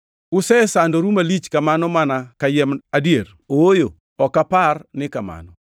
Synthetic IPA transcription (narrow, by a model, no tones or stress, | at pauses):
ʊsɛsandoɾumalit͡ʃkamanɔmanakajɛmadjeɾ | oojo | ɔkaparnɪkama̰nɔ